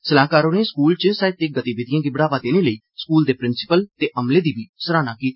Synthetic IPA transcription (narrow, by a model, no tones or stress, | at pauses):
səlãːkaːɾoːnẽːskuːlt͡ʃəsaːɪt̪t̪eːɡət̪iːbɪːd̪ɪjãːɡiːbəɽaːʋaːd̪eːneːləiː | skuːld̪eːpɾɪnsɪ̥pəlt̪eːʔəmleːd̪iːbiːsəɾaːnaːkiːt̪ː